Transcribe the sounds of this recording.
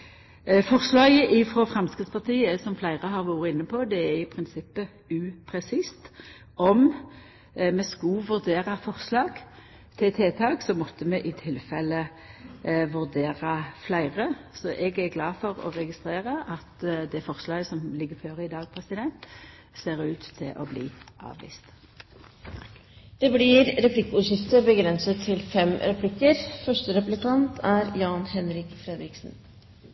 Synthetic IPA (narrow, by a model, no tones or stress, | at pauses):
fɔʁslɑːɡəʔɪfɾoːfʁɑmstkɾɪt̪spʰɑʁt̪iːəsɔmflæɪʁəɦɑːʁʋuːɾəɪnːəpʰod̪ɛæɪpʰʁɪnsɪpːə | ʉːpʰɾɛsiːst̪ | ʔɔm | mɛskɑʋʉʁd̪eːʁɑfɔʁslɑːɡ̥ | t̪ʰɪt̪ʰeːt̪ʰɑːɡsɔmɔt̪ːəmɛʔɪt̪ʰɪlfɛlːə | ʋʉʁd̪eːʁɑflæɪʁəsɔʔɛɡæɡlɑːfɔʁɔ̰ʁɛɡɪst̪ʁeːʁəʔɑt̪d̪ɛfɔʁslɑːɡəsɔmlɪɡːəføːʁəɪd̪ɑːɡpʰʁɛsɪd̪ɛnt̪ | seːʁʉːt̪ʰːɪ̰lʔo̰blḭːʔɑ̰ːʋʋḭːst̪ | d̪̥ɛblɪɾɾɛpʰlɪkːʉːʃɪft̪əɾbəɡɾɛnsət̪ʰːɪlfɛmɾɛpʰlɪkːəɾfœʂʈəɾɛplɪkɑnt̪ʰæɾjɑːnhɛnɾɪkfɾed̪ɾɪksn̩